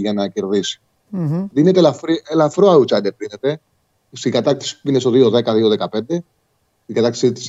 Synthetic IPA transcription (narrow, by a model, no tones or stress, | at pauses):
ʝɐnɐceɾðisi̥ | ðinet̪elɐfɾielɐfɾoɐut͡ʃɐd̪epɾinet̪e̞ | st̪iɡɐt̪ɐkt̪i̥si̥pinest̪o̞ðio̞ðe̞kɐðio̞ðe̞kɐpe̞nd̪e̞ | t̪iŋɡɐt̪ɐkt̪i̥sit̪is